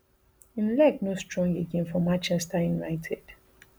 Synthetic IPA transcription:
ĩnlɛknostɹɔ̃ŋɡeɡẽnfɔmãnt͡ʃɛstajunaɪtʰɛd̥

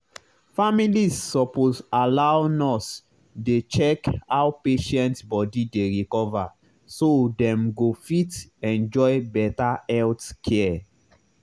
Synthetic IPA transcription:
familisːɔpozalawnɔs | det͡ʃɛkhawpeʃɛ̃ntbɔdideɹikɔva | sodɛ̃mɡofitɛ̃nd͡ʒɔɪbɛtaɛltkʰɛ

